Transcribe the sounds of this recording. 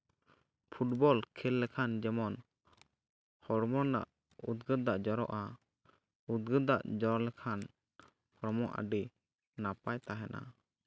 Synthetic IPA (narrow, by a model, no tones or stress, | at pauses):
pʰuʈ̚bɔlkʰɛlːɛkʰand͡ʒɛmɔn | hɔɾmɔna̰ʔ | ud̪̚ɡəd̪aʔd͡ʒɔɾɔ̰ʔa | ud̪̚ɡəd̪aʔd͡ʒɔɾɔlɛkʰan | hɔɾmɔʔa̰ɖɛ | napajt̪aɦɛna̰